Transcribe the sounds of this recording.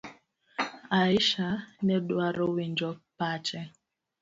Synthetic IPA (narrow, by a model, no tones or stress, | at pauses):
aiʃanɛdwaɾowind͡ʒɔpat͡ʃɛ